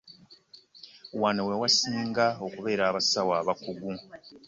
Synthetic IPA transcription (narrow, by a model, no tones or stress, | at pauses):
wanowewasiːŋɡao̞kuβe̞ːɾaːβasawaːβakuɡu